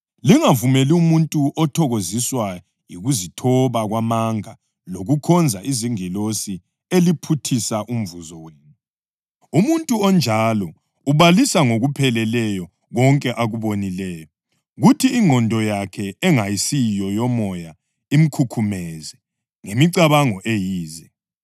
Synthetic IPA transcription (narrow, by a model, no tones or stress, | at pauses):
liŋavumeliumuntʼuʔɔtʰɔɣoziswa | jiɣuzitʰɔβaɣwamaŋa | loɣukʰɔnd͡zʱaʔiziŋilosi | elipʰutʰisaʔum̩vuzɔweːni | umuntʼuɔnd͡ʒʱalɔ | uβalisaŋoɣupʰɛlɛlɛjɔ | ɣɔŋkʼɛʔaɣuβonilɛːjɔ | ɣutʰiːŋɔndʱɔjakʰɛɛŋajisijɔjɔmɔja | im̩kʰukʰumɛzɛ | ŋemiǀaβaŋɔʔejiːzɛ